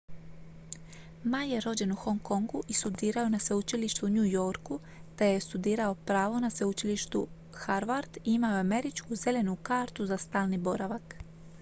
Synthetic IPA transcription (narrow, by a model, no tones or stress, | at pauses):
majje̞ɾo̞d͡ʑe̞nuxo̞ŋko̞ŋɡuʔist̪ud̪iːɾaonase̞ut͡ʃiliʃt̪uɲujo̞ɾku | t̪ejest̪ud̪iːɾao̞pɾaːʋo̞nasʋeut͡ʃiliʃt̪u | xaɾʋaɾd̪iimaoame̞ɾit͡ʃkuze̞le̞nukaːɾt̪uzast̪aːlˠnibo̞ɾaʋak